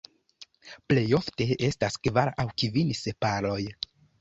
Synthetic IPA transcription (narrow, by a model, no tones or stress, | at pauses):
ple̞jo̞fte̞e̞staskvaɾawkivinsepaɾlo̞j